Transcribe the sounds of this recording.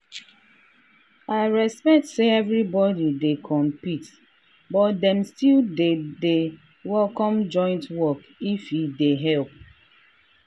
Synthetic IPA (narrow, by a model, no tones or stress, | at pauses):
aɪɹɛspɛk̚tseɛvɹibɔdidekʰɔ̃mpit | bɔtdɛ̃mstildede | wɛlkɔ̃md͡ʒɔ̃ɪ̃ntwɔk | ifideɦɛlp̚